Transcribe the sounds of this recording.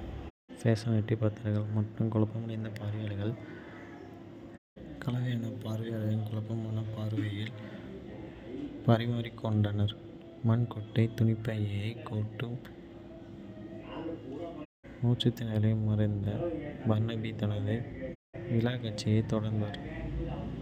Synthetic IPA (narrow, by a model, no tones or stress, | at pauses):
seːsɐnɛʈːipɐt̪ːɐɾɐɣɐɭmɐʈːrɯmkʊɭɐpːɐmɐɽɐɪnd̪ɐpaːɾɪjaːɭɐɣɐɭ | kɐɭɐʋɐjɐːnɐpaːɾɯʋɪjɐːɭɐðɪnkʊɭɐpːɐmɐnɐpaːɾɯʋɐjɪl | pɐɾɪmaːɾɪkːɔɳɖɐnɐɾ | mɐnkɔʈːɐɪt̪ʊnɪpːɐjɐjɐɪkːoːʈːɯm | muːt͡ʃɯt̪ːɪnɪlɐjmɐɾɐɪnd̪ɐbɐɾnɐbit̪ːɐnɐðɐɪ | ʋɪlaːkɐʈt͡ʃːɪjɐɪt̪ɔɽɐɾnd̪ɐɾ